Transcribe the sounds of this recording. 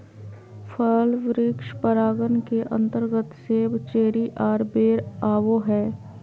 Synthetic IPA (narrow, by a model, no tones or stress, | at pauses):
fʰəlʋɾɪkʃpəɾaːɡənkeʔə̰̃nt̪əɾɡət̪seːbt͡ʃeːɽiʔaːɾbeːɾaːʋoɦɛː